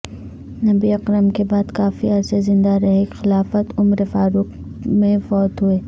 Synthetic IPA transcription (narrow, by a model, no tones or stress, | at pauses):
nɐbiɐqɾəmkebaːd̪kaːfiɐɾsezɪ̃nd̪aɾɐɦekxɪlaːfət̪ʊmɾefaːɾʊq | mẽfɔːt̪ɦueː